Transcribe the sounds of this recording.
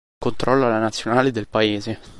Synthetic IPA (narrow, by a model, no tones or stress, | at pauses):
kont̪ɾɔlːoalanat̪sːjonaːled̪elpaeːze